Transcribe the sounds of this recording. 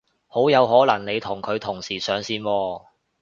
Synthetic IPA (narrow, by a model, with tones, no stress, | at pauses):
ho˨˥wjɐ˨˧wɦɔː˨˥lɐ˨˩ŋne˨˧jt̪ʰʊ˨˩ŋkʰɵ˨˧ɥt̪ʰʊ˨˩ŋsiː˨˩sœː˨˥ŋsiː˧nwɔː˧